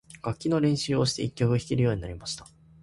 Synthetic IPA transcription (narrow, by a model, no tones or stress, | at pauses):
ɡ̥akʲːino̞ɾẽ̞ɰ̃ɕɨːo̞ɕi̥t̪eikʲːo̞kɯ̟çi̥kʲiɾɯjo̞ːɲ̟inaɾʲimaɕi̥t̪ḁ